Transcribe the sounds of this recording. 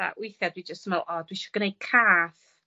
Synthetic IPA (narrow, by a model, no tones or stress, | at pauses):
a̰ʔwɪjθjadwid͡ʒəstmɛlˠʔɔːd̥wiʃɔɡənejkʰaːθ